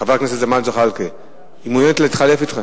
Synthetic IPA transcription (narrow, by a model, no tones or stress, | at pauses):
χavaknesetzemant͡soχalke | imujenet̪leit̪χalefit̪χe